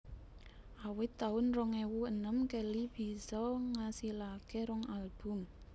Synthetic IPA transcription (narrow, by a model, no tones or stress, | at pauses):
ʔawɪt̪ːaʊnrɔŋewuənəmkelib̥i̤sɔŋasilakeɾɔŋalb̥ʊ̤m